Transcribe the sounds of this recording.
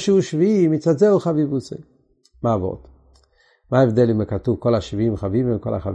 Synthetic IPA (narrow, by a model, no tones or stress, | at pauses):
ʃuʃviimit͡sazelχavivut͡se | maːvo̰t̪ | maevd̪elimekat̪uvkolaʃviimχaviveko̰la̰χa̰v